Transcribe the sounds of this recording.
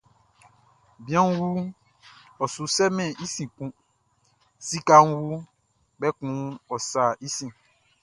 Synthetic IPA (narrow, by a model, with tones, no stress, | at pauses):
bĩ˨˦ã˦ŋ̩˦wu˦ | ɔ˨su˨sɛ˦mɛ̃˨ʔi˦sĩ˨kũ˦ | si˦ka˦ŋ̩˦wu˦ | bɛ˦kũ˨˦ɔ˨sa˨ʔi˦sĩ˨